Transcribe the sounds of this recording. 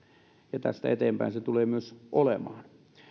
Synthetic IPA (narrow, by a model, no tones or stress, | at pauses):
jɑt̪æ̰st̪æ̰et̪eːmpæ̰inset̪uleːmyøsʔolḛmɑːn